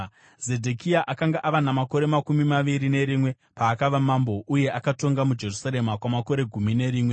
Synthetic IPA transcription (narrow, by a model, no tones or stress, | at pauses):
ze̞dʱekiaʔakaŋɡaʔaʋanamako̞ɾe̞makumimaʋiɾine̞ɾimwe̞ | paːkaʋamambo̞ʔuje̞ʔakato̞ŋɡamud͡ʒe̞rusaɾe̞makwamako̞ɾe̞ɡʱumine̞ɾiːmwe̞